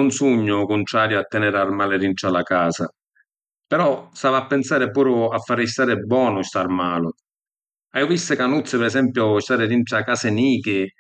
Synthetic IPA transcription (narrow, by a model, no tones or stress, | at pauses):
unsuɲːʊkʊnt̪ɾaːɾjʊat̪ːɛnɛɾarmaːlɪɾinʈɾalakaːsa̰ | pɛɾɔsavapːɛnsaːɾɪpuːɾʊafːaɾist̪aːɾɪbːwɔːnʊst̪aɾmaːlʊ | ajʊvisːɪkanut̪sːɪpɛɾɛsɛmpjʊst̪aːɾɪɾiɳʈakaːsɪniːkɪ